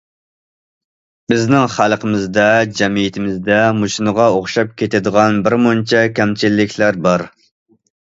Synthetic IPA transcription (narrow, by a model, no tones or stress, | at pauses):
bɪznɪŋχælˠqəmɪzd̪ɛd͡ʒɛmijit̪ʰɪmɪzd̪ɛmuʃnəʁɑoχʃɑp̚kʲet̪ɪd̪əʁɑnbɪɾmont͡ʃʰɛkʲʰɛmt͡ʃʰilːɪkʲʰlæɾbɑɾ